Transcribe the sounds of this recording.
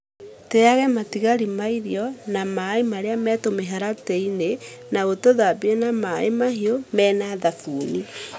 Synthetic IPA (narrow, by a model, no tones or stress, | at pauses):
teaɣɛmatiɣaɾimaiɾiɔnamaemaɾeamɛːtomeɦaɾatɛinenaɣotoðabienamaemahiomɛːnaðafuːni